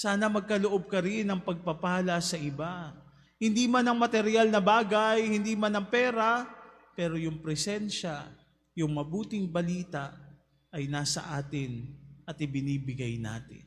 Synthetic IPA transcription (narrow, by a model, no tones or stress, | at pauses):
saːnɐmɐɡ̚kɐloʔob̚kɐɾɪnɐŋpɐɡ̚pɐpaːlɐsɐʔɪba | hɪnd̪iːmanɐŋmɐt̪ɛɾjalnɐbaːɡajhɪnd̪iːmanɐŋpɛːɾa | pɛːɾojʊŋpɾɛsɛnʃa | jʊŋmɐbuːt̪ɪŋbɐliːt̪aʔ | ʔɐjnaːsɐ̰ʔaːt̪ɪnɐt̪ɪbɪniːbɪɡajna̰ːt̪ɪ̰n